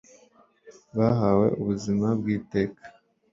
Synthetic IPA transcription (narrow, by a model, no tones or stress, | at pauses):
βaɦawe̞̰ʔuβuzimab̚ɡiːte̞ːkʰḁ